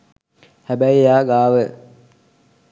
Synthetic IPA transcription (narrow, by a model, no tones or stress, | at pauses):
hæbæjjaːɡaːʋə